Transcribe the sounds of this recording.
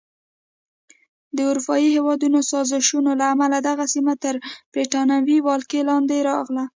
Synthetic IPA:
d̪əʊɾupɑjihewɑd̪unosɑzɪʃunolaːmalad̪aɣasimat̪əɾbɾeʈɑnawiwɑlkelɑnd̪eɾɑɣla

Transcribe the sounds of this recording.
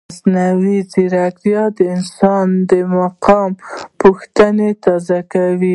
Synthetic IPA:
snawiziɾakɾjɑd̪əɪnsɑnd̪əmaqɑmpuxt̪anet̪ɑzakawi

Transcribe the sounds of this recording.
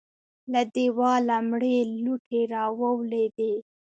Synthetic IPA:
lad̪ewɑlamɽeluʈʰeɾɑwəwled̪e

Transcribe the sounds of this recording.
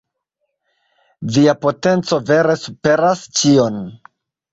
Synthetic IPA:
viapo̞te̞nt͡so̞ve̞ɾe̞supe̞ɾast͡ʃio̞n

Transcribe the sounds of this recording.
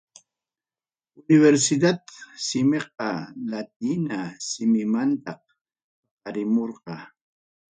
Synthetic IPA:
ʊnɪβeɾsɪd̪at̪sɪmeq̚ɑlat̪̚inasɪmɪmant̪ɑq | t̪ɑqɑɾɪmoɾqɑ

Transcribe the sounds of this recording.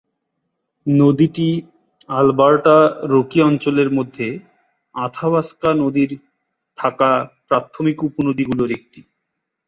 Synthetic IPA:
nod̪iʈi | albaɾʈaɾokiɔnt͡ɕoleɾmod̪ʱːe | at̪ʰabaskanod̪iɾ | ʈʰakapɾat̪ʰːomikuponod̪iɡuloɾek̚ʈi̥

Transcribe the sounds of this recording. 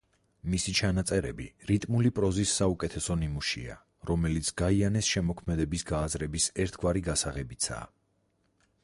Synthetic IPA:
misit͡ʃʰanat̪sʼɛɾɛbiɾit̪ʼmulipʼɾɔzisːaukʼɛt̪ʰɛsɔnimuʃḭa̰ | ɾɔmɛlit̪sʰɡ̥aianɛsʃɛmɔkʰmɛd̪ɛbisɡaːzɾɛbisɛɾt̪ʰɡwaɾiɡasaʁɛbit̪sʰa̰ː

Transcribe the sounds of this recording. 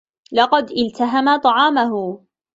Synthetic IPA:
lɑqɑd̪ʔɪlt̪aɦamat̪ˤɑʕɑːmaɦʊ

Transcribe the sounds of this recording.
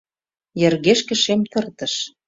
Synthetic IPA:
jɘ̆rɣeʃkə̆ʃemt̪ɤ̆rt̪ə̆ʃ

